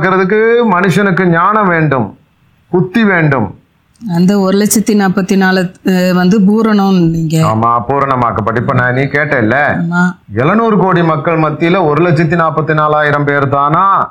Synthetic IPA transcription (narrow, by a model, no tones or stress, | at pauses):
kːɪɾɐðɯkːɯmɐnɯʂɐnɯkːɯɲaːnɐʋeːɳɖɯm | pʊt̪ːiʋeːɳɖɯm | ɐnd̪ɐɔɾɯlɐt͡ʃːɐt̪ːinaːpːɐt̪ːinaːlʋɐnd̪ɯp̬uːɾɐɳɐmniːŋɡɐaːmaːpuːɾɐɳɐmaːkːɐpːɐʈːɐɪpːɐnaːniːkeːʈːɐ̃ɪlːɐmaː | ɛlɐnuːɾɯkoːɽimɐkːɐɭmɐt̪ːɪjlɐɔɾɯlɐt͡ʃːɐt̪ːinaːpːɐt̪ːinaːlaːjɪɾɐmpeːɾt̪aːnaː